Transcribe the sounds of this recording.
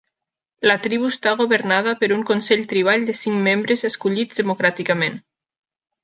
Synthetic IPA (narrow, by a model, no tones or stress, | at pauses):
lat̪ɾiβuest̪aɣoβəɾnað̞apeɾuŋkonsɛʎt̪ɾiβ̞aʎd̪esiŋmembɾezeskuʎid͡zðemokɾat̪ikamẽn